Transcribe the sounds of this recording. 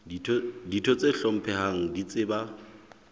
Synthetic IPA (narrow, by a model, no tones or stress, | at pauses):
ditʰɔt͡sʼeɬɔm̩pʰɛɦaŋ̩dit͡sʼɪba